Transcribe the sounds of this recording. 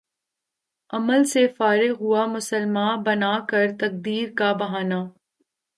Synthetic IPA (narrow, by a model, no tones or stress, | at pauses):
ɐməlsefaːɾɪɦʊamʊsəlmaːbɐnaːkɐɾt̪ɐk̚d̪iːɾkabɐɦaːnaː